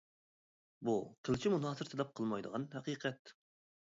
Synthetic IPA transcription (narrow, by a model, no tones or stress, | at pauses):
buqʰəlˠt͡ʃʰimunɦɑːsɨɾt̪ʰɨd̪ˠɛp̚qʰəlˠmɑjd̪əʁɑnhæqiːqʰɛt̪̚